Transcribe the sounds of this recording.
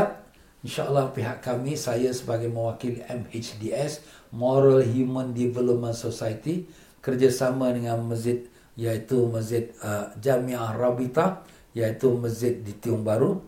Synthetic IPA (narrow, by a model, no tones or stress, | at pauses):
t̪̚ | inʃaʔəlːahpiɦaʔkamĩsajasəbaɡajmə̃wakiliʔɛmet͡ʃdiɛsmoɾalɦjumə̃ndivɛlop̚mə̃nsosajt̪i | kərd͡ʒasamə̃dəŋãnməzɪt̪̚ | jait̪uməszɪt̪̚əd͡ʒamĩahrabit̪a | jait̪uməzɪt̪̚dit̪iʊŋbaɾu